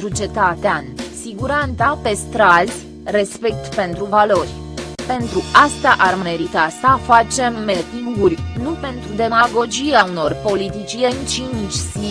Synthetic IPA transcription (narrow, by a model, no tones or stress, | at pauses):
ɾut͡ʃe̞t̪at̪eansiɡuɾant̪sape̞st̪ɾazʲ | re̞spe̞k̚t̪pe̞nt̪ɾuvalo̞rʲ | pe̞nt̪ɾuast̪aʔarmme̞ɾit̪asəfat͡ʃe̞mːet̪iurʲnupe̞nt̪ɾud̪e̞maɡo̞d͡ʒieauno̞rpo̞lit̪it͡ʃiijent͡ʃint͡ʃʲzi